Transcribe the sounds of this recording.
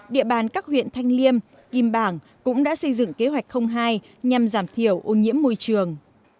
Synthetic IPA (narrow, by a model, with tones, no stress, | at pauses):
ɗḭ˧˨əɓaː˨˩nkaː˦˥k̚hwḭ˧˨ənt̪ʰa˧jŋ̟li˧əm | ki˨˩mɓaː˧˩ŋ | kʊ̰˧˥ŋ͡mɗa̰ː˧˥sə˧jzɨ̰˧˨ŋke˨˦ɦwa˨˩jk̟xə˧wŋ͡mɦaː˧j | ɲa˨˩mzaː˧˩mt̪ʰi˧˩əwʔo˧ɲḭ˧˥əmːo˧jt͡ɕɨ˨˩əŋ